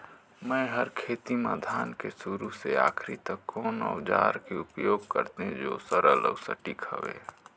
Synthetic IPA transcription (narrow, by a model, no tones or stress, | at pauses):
mə̃ɪɦəɾkʰeːt̪ima̰ːd̪ʱaːnkesuɾusea̰ːkʰɾit̪əkːoːnɔ̰ːd͡ʒa̰ːɾkeʊpjoːɡkəɾt̪ẽd͡ʒo̰ːsəɾəlɔ̰ːsə̰ʈikɦə̰ʋḛ